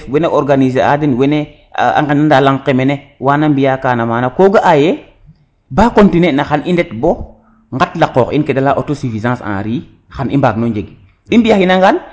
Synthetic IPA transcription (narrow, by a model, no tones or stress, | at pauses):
fwɛneɔɾɡanizea̰dinwene | a̰ŋɡenandalaŋqemenewaːnambijakaːnamaːnakoːɡaʔaje | baːkontinenaxanindɛtbo | ŋɡatlaqɔːxḭnkɛdalaʔotosifizãːsã̰ːɾiː | xanimbaːɡnoɲd͡ʒeɡ | ɗimbijaxinaŋɡan